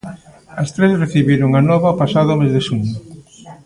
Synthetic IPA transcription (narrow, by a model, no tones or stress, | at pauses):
ɐst̪ɾesreθiβiɾʊŋanɔβɐpasaðʊmezðeʃuɲʊ